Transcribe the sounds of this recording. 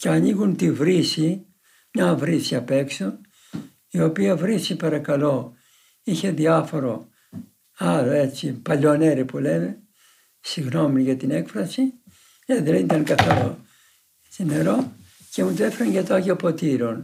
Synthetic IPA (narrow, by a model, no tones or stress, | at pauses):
ceɐniɣunt̪ivɾisi | mɲɐvɾisiɐpe̞kso | io̞piɐvɾisipɐɾɐkɐlo̞ | içe̞ðiɐfo̞ɾo̞ | ɐloe̞t͡sipɐʎo̞ne̞ɾipuleme̞ | siɣno̞miʝɐt̪ine̞kfɾɐsi | eðelit̪ɐnkɐθɐɾo̰ | sine̞ɾo̞ | ce̞mut̪oefeɾɐnʝɐt̪oɐʝeopo̞t̪iɾo̞n